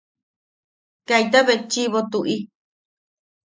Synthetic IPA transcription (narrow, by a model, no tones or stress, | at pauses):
kait̪aβet͡ʃiβot̪uʔi